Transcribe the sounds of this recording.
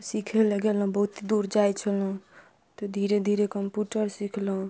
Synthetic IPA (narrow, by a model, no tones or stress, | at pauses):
sikʰeleɡelɦũbəɦut̪id̪uɾd͡ʒajt͡ʃʰəlũ | t̪ɔd̪ʱiɾed̪ʱiɾekəmpjuʈəɾsikʰlũ